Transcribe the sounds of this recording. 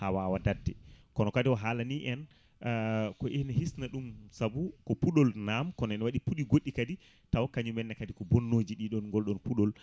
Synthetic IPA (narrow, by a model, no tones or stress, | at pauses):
hawawadadɛkɔnɔkadɛwɔɦaːlaniʔɛn | kɔʔenɛhisnaɗumsabukɔpuɗɔlnamkɔnɔɛnwaɗipuɗiɡoɗːikadi | tawkaɲumɛnːɛkadikɔbonːod͡ʒiɗiɗɔnŋɡɔlɗɔnpuɗɔl